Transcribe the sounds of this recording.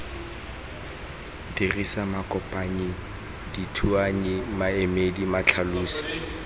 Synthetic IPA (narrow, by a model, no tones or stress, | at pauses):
d̥irisamakʼɔpʼaɲi | ditʰuaɲɪmaɛmedimat͡ɬʰaluːsi̥